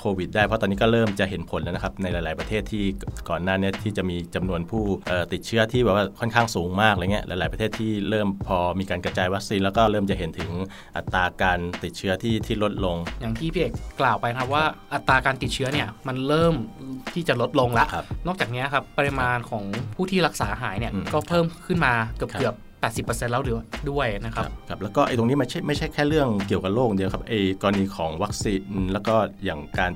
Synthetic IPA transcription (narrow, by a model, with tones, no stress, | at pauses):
kʰoː˧wi˨˩t̪̚daː˥˩pʰɔ˦˥t̪ɔː˧niː˦˥kɔː˥˩ɾɤː˥˩mt͡ɕa˨˩ʔɦe˩˦npʰo˨˩˦nla˦˥na˦˥kʰa˦˥p̚na˧jlaː˧jlaː˩˦jpɾa˧t̪ʰeː˥˩t̪ʰːiː˥˩kɔː˨˩nːaː˥˩ni˦˥˩ɐt̪ʰiː˥˩t͡ɕa˨˩ʔmiː˧t͡ɕa˧mnu˧ənpʰuː˥˩ʔɤː˨˩t̪i˨˩t̪̚t͡ɕʰɯ˦˥ɐt̪ʰiː˥˩ɛː˨˩waː˥˩kʰɔ˥˩nkʰaː˥˩ŋsuː˩˦ŋmaː˥˩k̚laː˧˩˦ŋi˦˥ɐʔa̰ː˧˦jlaː˩˦jpɾʰeː˥˩t̪ʰiː˥˩ɾɤː˥˩mpʰɔː˧miː˧kaː˧nkɾa˧t͡ɕaː˧jwa˦˥k̚siː˧nlɛː˦˥wkɔː˥˩ɾɤː˥˩mt͡ɕa˨˩ʔɦe˩˦nt̪ʰɯ˨˩˦ŋ | ʔa˨˩t̪ːaː˧kaː˧nt̪i˨˩t͡ɕʰɯ˦˥ɐt̪ʰiː˥˩t̪ʰiː˥˩lo˦˥t̪̚lo˧ŋja˨˩ŋt̪ʰiː˥˩pʰi˥ʔeː˨˩kklaː˨˩wpa˧jkʰa˦˥p̚waː˥˩ʔa˨˩t̪ːaː˧kaː˧nt̪i˨˩t̪̚t͡ɕʰɯ˦˥ɐni˥˩ɐma˧nɾɤː˥˩mt̪ʰiː˥˩t͡ɕa˨˩lo˦˥t̪̚lo˧ŋla˦˥ʔʰa˦˥pnɔː˥˩k̚t͡ɕaː˨˩k̚niː˦˥ɐkʰa˦˥pːə˧ɾi˧maː˧nkʰɔː˩˦ŋpʰuː˥˩t̪ʰiː˥˩ɾa˦˥k̚saː˩˦ɦaː˩˦jni˥˩ɐ˧kɔː˥˩pʰɤː˥˩mkʰɯ˥˩nmaː˧kɯ˨˩p̚ɯ˨˩əpːɛː˨˩t̪̚si˨˩pːɤː˧se˧nlɛː˦˥wlɯː˩˦du˥˩əjna˦˥kʰa˦˥˦p̚kʰa˦˥p̚lɛ˦˥wkɔː˥˩ʔa˧jt̪o˧ŋniː˦˥ma˥˩jt͡ɕʰa˥˩jma˥˩jt͡ɕʰa˥˩jkʰɛː˥˩ɾɯ˥˩əŋki˨˩əwka˨˩loː˥˩k̚diː˧kʰa˦˥p̚ʔa˧jkɔː˧la˧niː˧kʰɔː˩˦ŋwa˦˥k̚siː˧nlɛː˦˥wkɔː˥˩jaː˨˩ŋkaː˧n